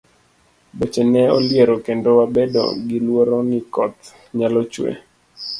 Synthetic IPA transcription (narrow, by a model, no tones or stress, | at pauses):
bot͡ʃenɛɔljeɾɔkendowabedo̰ɡɪlwoɾɔnɪkɔt̪ | ɲalɔt͡ʃwḛ